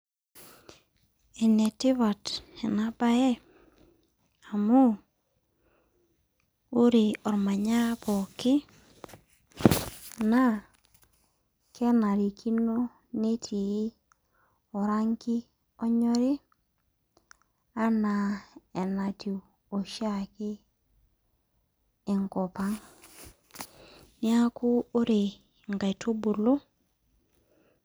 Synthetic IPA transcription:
e˨ne˨tɪ˦βa˨tɛ˨na˨ba˦jɛ˦ | a˨mo˦ | u˦ɾi˨ɔ˨ɾma˨ɲa˦bɔ˨kɪ˦ | na˦ | kɛ˦na˨ɾi˨kʰi˦no˦ | ne˦tʰi˨˦ | o˨ɾa˦ŋki˦ | ɔ˦ɲɔ˦ɾi˦ | a˦na˨e˨na˨ti˨w | o˨ʃa˦˨ki˦˨ | ŋko˨pa˦ŋ | ni˦a˦ku˦o˦ɾe˨ | ŋɡa˨jto˦bu˨lo˦

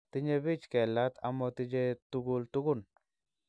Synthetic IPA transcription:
t̪ɪ˦ɲe˦bi˦t͡ʃkɛ˨la˦t̪ʰa̰˨mɔ˧t̪ɪ˦d͡ʒe˦tu˦ɡu˦lt̪u˦ɡʊ˦˨n

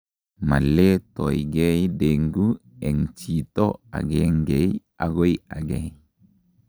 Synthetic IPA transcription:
ma̰˨lːe˦to̰˨jɡe˦jdeŋɡu˦ɛ˨ŋt͡ʃi˨to˦a̰˨ɡeŋɡe˨j | a˨ɡo˦ja̰˨ɡej

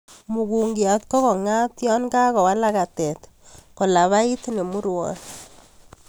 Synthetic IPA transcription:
mu˨ɡu˨ŋɡja˨t̪kɔ˦ɣɔ˨ŋa˦tjɔ˦nka˦kɔ˨wa˦la˦ka˨tɛ˨t̪ | kɔ˨la˨βa˦i˦t̪ne˨mu˦ɾwɔ̰˨n

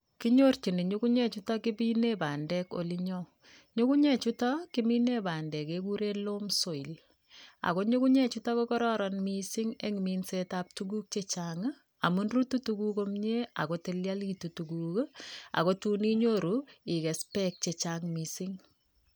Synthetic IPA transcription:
kiɲo˦rt͡ʃi˨ni˨ɲu˦ku˦ɲɛ˦t͡ʃutɔki˦bi˦ne˦baː˨ndɛ˦ko̰˨liɲɔ | ɲu˦ku˦ɲɛ˦t͡ʃu˦tɔkimi˦ne˦baː˨ndɛ˨kek̬u˦ɾe˦lo˦mso˨i˨l | a̰˨ko˦ɲu˦ku˦ɲɛ˦t͡ʃu˦tɔ˦kokɔ˦ɾɔɾɔnmisiŋe˦ŋ˨miːnsetap̚tuɡu˦k̚t͡ʃet͡ʃaːŋ˦ | a˨mu˦nru˦tu˦tuku˦ko˦mɲe˦a̰˨ko˦te˦lja˦litu˨tukuka̰˨ko˦tu˦ni˦ɲoɾui˨kɛ˨spɛk̚t͡ʃet͡ʃaŋmisiŋ

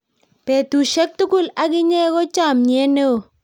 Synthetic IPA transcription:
pe˨tu˨ʃe˦k̚tu˦ku˦la˨ɡɪ˦ɲe˦ɡo˦t͡ʃa˦˨mɲɛ˦ne˦o˨

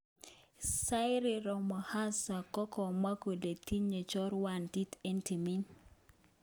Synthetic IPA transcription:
sa˦ɪ˦ɾɪ˨ɾɔ˨mɔ˨ha˦sa˨kɔ˦kɔ˨ma˦ko˨de˨t̪i˦ɲe˨t͡ʃɔ˦ɾwa˨nti˦te˦nti˨mi˦n

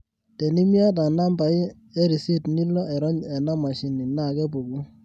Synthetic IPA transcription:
tɛ˨ni˦mja˦t̬a˨na˦mba˨ɪ˦ | ɛ˦ɾi˨si˦tni˦lːɔ˦ʔɛ˨ɾɔ˦ɲɛ˨na˦ma˨ʃi˨ni˨na˦˨kɛ˦bo˨ɡu˦

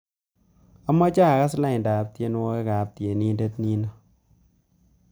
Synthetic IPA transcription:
a˦mːɔ˦t͡ʃa˦˨ka˦sla˦ɪ˨nda˨p̚tje˦n˦wo˦ke˦ka˨p̚tje˨ni˦nde˦tni˦nɔ˦

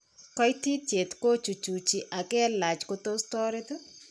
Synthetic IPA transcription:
kɔ˦jti˦te˨t̪ko˦t͡ʃu˨t͡ʃu˨t͡ʃi˨ʔa˨ɡɛ˦la˨t͡ʃko˦t̪o˦stɔ˦ɾe˦t̪o˦

